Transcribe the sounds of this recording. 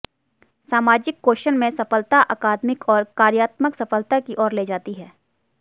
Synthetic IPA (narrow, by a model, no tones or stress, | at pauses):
saːmaːd͡ʒɪkːoːʃənmẽsɐfəlt̪aʔɐkaːd̪mɪkʰɔːɾkaːɾjaːt̪məksɐfəlt̪akiʔɔːɾleːd͡ʒaːt̪iɦɛː